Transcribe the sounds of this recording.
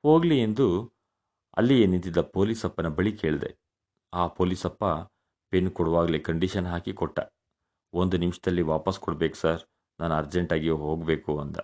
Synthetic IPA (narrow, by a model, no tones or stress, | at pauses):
ho̞ːɡliend̪u | ɐ̰lːijenint̪̬id̪ːɐpo̞ːlisɐpːɐnɐbɐɭike̞ːɭd̪e̞̰ | aːpo̞ːlisɐpːɐ | penːkɔɽʋaːɡɐlekɐɳɖiʃɐnɦaːkikɔʈːɐ̰ | ond̪unimʂɐd̪ɐlːiʋaːpɐskɔɽbeːku̥saɾ | naːnuɐɾd͡ʒeɳʈaːɡijoɦoːɡbe̞ːkuɐnd̪ɐ